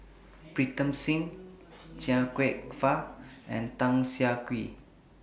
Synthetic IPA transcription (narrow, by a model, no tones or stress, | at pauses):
bɹit̪ə̃msĩŋ | t͡ʃiakweʔfaʔɛ̰̃ntãŋsiakwi